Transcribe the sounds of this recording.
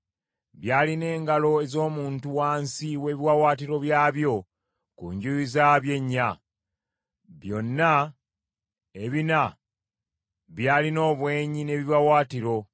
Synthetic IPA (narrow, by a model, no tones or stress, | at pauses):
βjaːline̞ːŋɡalo̞e̞zo̞ːmuːntuwaːnsiwe̞ːβiwawaːtiɾo̞βjaːβjo̞ | kuɲɟuizaβje̞ɲːa | βjo̞nːa | eβina | βjaːlino̞ːβwe̞ːɲine̞βiβawaːtiɾo̞